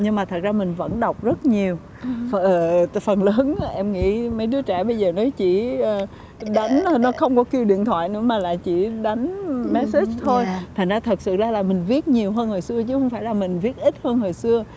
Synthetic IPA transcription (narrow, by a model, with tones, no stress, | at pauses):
ɲɨ˧ŋmaː˨˩t̪ʰə˨˩t̚zaː˧mï˨˩ŋ̟və̰˧˥nɗa˨˩wk͡p̚zə˦˥t̚ɲi˨˩əw | fʔəː˨˩fə˨˩nləː˨˦nʔɛ˧mŋḭ˧˥mə˨˦jɗɨ˨˦ət͡ɕɛ˧˩ɓə˧jzəː˨˩nɔ˨˦jt͡ɕḭ˧˩˨ | ɗa˨˦jŋ̟˨˧nɔ˨˦xə˧wŋ͡mkɔ˨˦ki˧əwɗḭ˧˨ənt̪ʰwa̰ː˧˨jnɨ̰˧˥əmaː˨˩la̰ː˨jt͡ɕḭ˧˩˨ɗa˨˦jŋ̟mɛ˦˥i˦˥t͡ɕt̪ʰo˧jt̪ʰa˨˩ŋ̟zaː˧t̪ʰə˨˩t̚sɨ̰˧˨zaː˧˩laː˨˩mï˨˩ŋ̟vi˦˥ət̚ɲi˨˩əwɦəː˧nho˨˩jsɨ˧ət͡ɕɨ˨˦xə˧wŋ͡mfaː˧˩jlaː˨˩mï˨˩ŋ̟vi˦˥ət̚ʔi˦˥t̚həː˧nho˨˩jsɨ˧ə